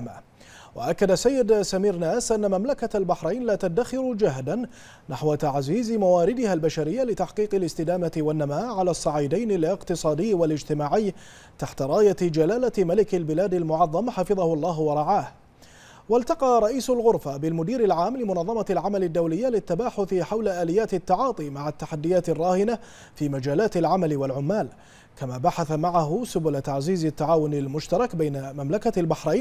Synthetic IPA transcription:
ma | wa̰ʔakːad̪asːajːɪd̪samiːɾnaːsʔanːamamlakalbaħɾˤajnlaːt̪ad̪ːaxɪɾd͡ʒaɦd̪an | naħwat̪aʕziːzmawaːɾɪd̪ɪhalbaʃaɾɪjːalɪt̪aħqiːqɪlɪst̪ɪd̪aːmat̪ɪwanːamaːʔʕalaːsˤːɑʕiːd̪ajnɪlɪqt̪ɨsˤɑːd̪ɪjːwalɪd͡ʒt̪ɪmaːʕɪjː | t̪aħt̪aɾˤɑːjad͡ʒalaːlamalɪkalbɪlaːd̪almʊʕɑðˤːɑmħɑfɨðˤɑhʊlˤːɑːɦwɑɾˤɑʕaːh | walt̪ɑqɑːɾˤɑʔiːsʊlɣʊɾˤfabɪlmʊd̪iːɾɪlʕaːmːlɪmʊnɑðˤːɑmɑlʕamalad̪ːawlɪjːalɪt̪ːabaːħʊθħawlaʔaːlɪjːaːt̪ɪt̪ːaʕɑːt̪ˤiːmaʕat̪ːaħad̪ːɪjaːt̪ɪrˤːɑːhɪna | fiːmad͡ʒaːlaːt̪ɪlʕamalwalʕʊmːaːl | kamaːbaħaθamaʕaɦʊsʊbʊlt̪aʕziːzat̪ːaʕaːwʊnalmʊʃt̪ɑɾˤɑkbajnamamlakalbaħɾˤajn

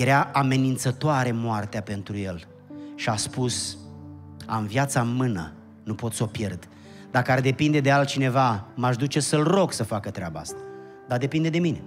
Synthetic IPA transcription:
jeɾaʔame̞nint̪sət̪oaɾe̞moart̪eape̞nt̪ɾuje̞l | ʃiaspus | a̰mvjat̪sanmɨnə̰ | nupo̞t̪so̞pje̞rd̪ | d̪akəard̪e̞pind̪e̞d̪e̞al̚t͡ʃine̞vamaʃd̪ut͡ʃe̞səlro̞ɡsəfakət̪ɾeabaa̰st̪ḁ | d̪ad̪e̞pind̪e̞d̪e̞mine̞

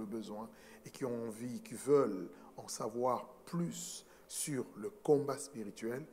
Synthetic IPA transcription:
ləbəzwɛ̃ | ekʲiɔ̃ɑ̃vikivœl | ɑ̃savwaʁplysː | yʁləkɔ̃baspiʁit̪ɥɛl

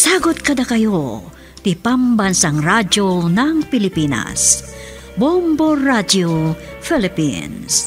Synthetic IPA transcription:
saːɡot̪̚kɐd̪akɐjo | t̪ipambɐnsaŋɾad͡ʒonɐŋpɪlɪpinɐ̰s | bomboɾad͡ʒofɛlɪpḭns

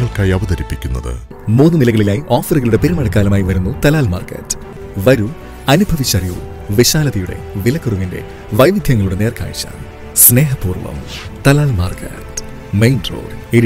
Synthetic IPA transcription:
ɐɭkaːjiɐʋɐðɐɾipːikʲːunːɐ̰ðɨ̰ | muːnːɨnilɐɣɐɭilaːjiʔoːfɐruɣɐɭuɽe̞peɾumɐɽɐkːaːlɐmaːjiʋɐɾunːut̪ɐlaːlma̰ːrkɐ̰tː | ʋɐɾu | ɐnubʱɐʋit͡ɕːɐrijṵ | ʋiɕaːlɐðɐjuɽe̞̰ʋilɐkːuruŋinde̞̰ | ʋɐjʋid̪ʱjɐŋːɐɭuɽe̞ne̞ːrkʰa̰ːɻit͡ɕːa̰ːn | sne̞ːɦɐpuːrʋɐ̰mt̪ɐlaːlmaːrkɐ̰t | mejndro̰ːre

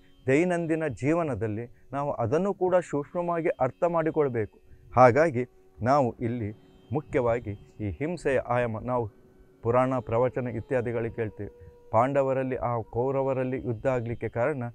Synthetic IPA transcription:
d̪ɐjnɐnd̪inɐd͡ʒiːʋɐnɐd̪ɐlːinaːʋuʔɐd̪ɐnːukuːɽɐʃukʂɳɐmaːɡiʔɐɾt̪ʰɐmaːɽikɔɭɐbe̞ːku̥haːɡaːɡi | naːʋuʔilːi | mukʰjɐʋaːɡiiːhimsɛjɐ̰ʔaːjɐmɐnaːʋu | puɾaːɳapɾɐʋɐt͡ʃɐnɐit̪ːjaːd̪ʱiɡɐɭike̞ːɭt̪iːʋipaːɳɖɐʋɐɾɐlːiʔaːkɐwɾɐʋɐɾɐlːijud̪ʱːaːɡɐlikːekaːɾɐɳɐ

